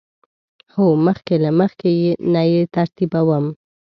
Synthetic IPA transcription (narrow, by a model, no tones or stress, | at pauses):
homəxkelaməxkejenajet̪aɾt̪ibawəm